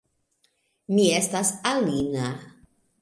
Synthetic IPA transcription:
miɛst̪asaliːna

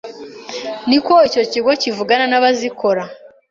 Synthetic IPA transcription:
niko̞ico̞ciɡo̞civuɡananaβaziko̞ɾa

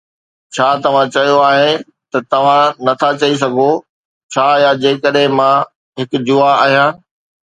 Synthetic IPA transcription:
t͡ɕʰaːt̪ɐʋ̤ãt͡ɕɐjoaːɦe | t̪ɐt̪ɐʋ̤ãnɐt̪ʰat͡ɕɐis̬ɐɡʱo | t͡ɕʰaːjad͡ʑeːkəɗɦẽmã | ɦɪkʊd͡ʑʊaaːɦijãː

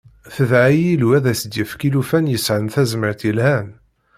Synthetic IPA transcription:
θəvʕijilwæðæsəd̪jəfkilufænjəsʕənθæzməɾθjəlhæn

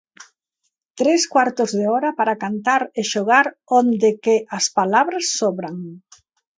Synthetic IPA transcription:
t̪ɾeskwaɾt̪ozðeɔɾɐpaɾakant̪aɾeʃoɣaɾ | ond̪ɪkeʔɐspalaβɾasːɔβɾaŋ

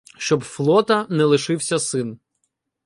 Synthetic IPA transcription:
ʃt͡ʃɔbflˠɔt̪ɐnɛlˠɪʃɪwsʲɐsɪn

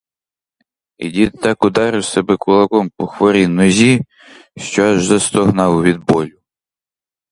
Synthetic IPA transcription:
ḭdʲit̪ːɑkɔd̪ɑɾɪwsɛbɛkʊlˠɐkɔmpɔxʋɔɾʲinɔzʲi | ʃt͡ʃɔɑʒzɐst̪ɔɦnɑwʋʲid̪̚bɔlʲʊ

